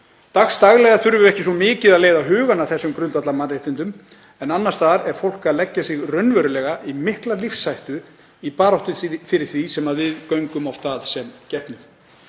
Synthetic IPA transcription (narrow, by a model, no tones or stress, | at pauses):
t̪axst̪aɣlɛɣaθʏɾvʏɾɛhcɪsɔmɪːcɪðaðlejðaɦʏːɣanːaθɛsːʏmkɾʏnt̪vat̪lamanreht̪ɪnt̪ʏm | ɛnanːast̪aɾɛɾ̥fowl̥kaðlɛcːasɪɣrœɥnvœɾʏlɛɣaimɪhklaɾlifsːajht̪ʏ | ipaːɾawht̪ʏfɪɾɪɾ̥θvisɛmaðvɪðkœɥŋkʏmav̥θaðsɛmcɛhpnʏ